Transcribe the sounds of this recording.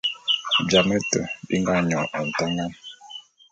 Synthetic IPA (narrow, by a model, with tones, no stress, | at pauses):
bja˨mə˦tə̰˨bḭ˦ŋɡa˦ɲɔ˨ɔ˨n̩˨ta˦ŋa˦n